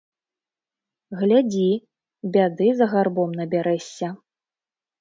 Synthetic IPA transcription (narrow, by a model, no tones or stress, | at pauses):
ɣlʲad͡zʲi | bʲad̪ɨzɐɣarbɔmnɐbʲaɾɛsʲːɐ